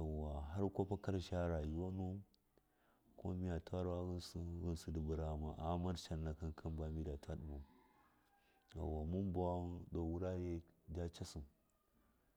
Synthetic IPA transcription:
a˨wa˨ɦa˦ɾko˦pa˦ka˦ɾʃa˦ɾa˨ji˨wa˦nu˦ | ko˦mi˦ja˨ta˦ɾa˦ɣsɣi˦nsu˨di˨bu˨ɾa˨ma˨ʔa˨˦ma˦ɾʃa˨nːa˨ka˦nkʰa˦mba˨mi˦da˨ta˦ɗu˨bu˨ | a̰˨wa˨mu˦nba˦wa˦ɗo˨wu˦ɾa˦je˦da˦t͡ʃa˦su˨m

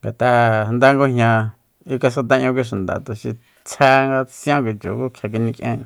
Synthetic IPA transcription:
ŋɡa˨t̪a˧nd̪a˦ŋɡo˦ɦɲã˧ | i˦ka˧s̬ka˧t̪̬a˧ɲõ˧k̬ʷi˦ʃ̬u˨nd̪a̰˨t̪u˨ʃi˧ | t͡sʰa˧ŋɡa˧t͡sj̃ã˦kʷi˨t͡ʃo̰˨ku˦kʰja˧k̬i˧nĩ˧kʔḛ̃˦˧

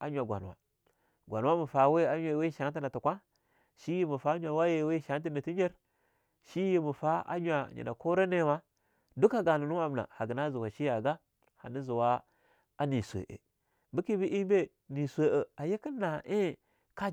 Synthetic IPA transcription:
a˦ɲʷ˦a˨ɡʷa̰˨n˨wa̰˨ | ɡʷa˨n˨wa˦mu˨fa˨˦we˦a˦ɲ˦a˨we˦ʃa˨˦n˦ti˦na˨tu˨kʷa˦ | ʃi˦ji˦mu˨fa˦ɲʷ˦a˨wa˦je˦˨˦we˦ʃa˦t̬i˦na˨ti˦ɲe˦ɾ | ʃi˦ji˦mu˨fa˦a̰˦ɲʷ˦a˨ɲḭ˨na̰˨ko˦ɾa˦ne˦wa˦ | du˦ka˦ɡa˨nu˨nu˦a˦m˨na̰˨ha˨ɡə˨na˦zu˨wa˨ʃi˦ja˨ɡa˦ | ha̰˨ni˦zu˨wa˦ | a˦ni˨sʷḛ˨ʔḛ˨ | bi˦ki˦bi˦ʔi˦mbe˦ | ni˨sʷe˨ʔə˨a˨je˦ki˦na˨e˦ | ka˦

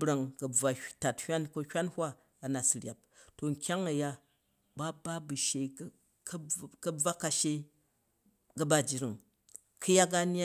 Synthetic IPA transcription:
bɾa˨ŋkɐ˨b͡va˨ta˨thʲʷa˦nko˧hʲʷa˦nhʷwʷa˦ | ɐ˨na˨sɨ˨ɾʲja˨p̚to˨ŋ̩˨kʲa˦ŋɐ˨ja˦ | ba˦ba˦bu˨ʃe˧˦ | kkɐ˦b͡va˦ka˨ʃe˦ | ɡɐ˦ba˦d͡ʒi˨ɾi˨ŋ | kʰɨ˦ja˦ɡa˦n˦a˦

